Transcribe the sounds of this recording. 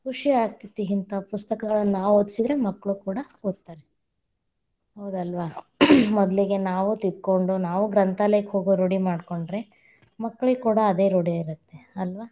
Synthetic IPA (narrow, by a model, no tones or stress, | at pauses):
kuʂiaːkit̪ːiɦint̪ɐpust̪ɐkɐɡɐɭɐnːnaːʋod̪sid̪ɾe̞mɐkːɭukuːɽɐ | od̪̚t̪ːaːɾe | ɦɐwd̪ɐlʋaː | mɔd̪liɡe̞naːʋut̪id̪ko̞ɳɖunaːʋuɡɾɐnt̪aːlɐjɐkhoːɡuɾoɽimaːɖko̞ɳɖɾe̞ | mɐkːɐɭiɡekuːɽɐːd̪e̞ːɾoɽiaiɾut̪ːe̞ɐlʋaː